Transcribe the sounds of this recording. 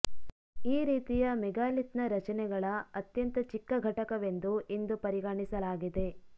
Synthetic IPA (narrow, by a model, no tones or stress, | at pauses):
iːɾiːt̪ijɐmɛɡaːlit̪nɐɾɐt͡ʃɐnɛɡɐɭɐɐt̪jɐnt̪ɐt͡ʃikːɐɡʱɐʈɐkɐʋe̞nd̪uʔind̪upɐɾiɡaːɳisɐlaːɡid̪e̞